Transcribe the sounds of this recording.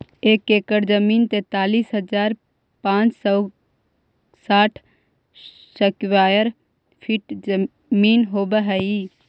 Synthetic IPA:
eːkeːkəɾd͡ʒəmiːnt̪eːt̪aːliːsɦəd͡ʒaːɾ | pãːt͡ʃsɔ | saːʈʰ | səkwaːjəɾ | pʰɪʈ | miːnɦoːbəɦɛi

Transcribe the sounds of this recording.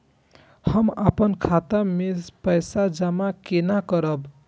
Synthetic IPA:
həmapənkʰat̪amespəjsad͡ʒəmakenakəɾəb

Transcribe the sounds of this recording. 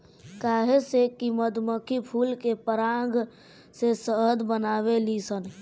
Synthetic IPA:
kaɦesekiməd̪məkʰipʰulkepəɾaŋɡ | sesəɦəd̪bənaʋelisən

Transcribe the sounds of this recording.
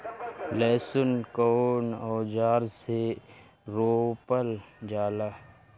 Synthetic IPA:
lɛːsʊnkoːnɔːd͡ʒaːɾse | ɾoːpəld͡ʒaːlaː

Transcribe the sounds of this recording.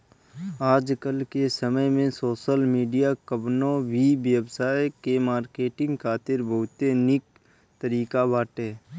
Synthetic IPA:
aːd͡ʒkəlkesəməjmẽsoːʃəlmiːɖijakəbnõʋibjəbsaːejkemaːɾkeːʈɪ̃ŋɡkʰaːt̪ɪɾbʱɐɦʊt̪enɪk̚ | t̪əɾiːkabaːʈeː

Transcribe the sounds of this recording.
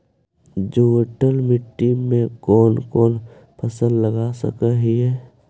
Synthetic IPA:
d͡ʒoəʈəlmɪʈːimẽkɔːnkɔːn | pʰəsəlːəɡasə̰kəɦiɦɛː

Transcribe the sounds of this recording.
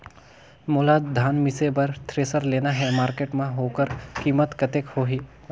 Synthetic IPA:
moːlad̪ʱaːnmɪsebɐɾt̪ʰɾeːsəɾleːnaɦɛmaːɾkeːʈmẽɦoːkəɾkiːmət̪kɐt̪eːkhoːɦiː

